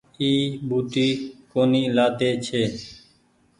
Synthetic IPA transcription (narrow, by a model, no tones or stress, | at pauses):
iːbʱuːt̪iːkoːniːlaːt̪eːt͡ʃʰeː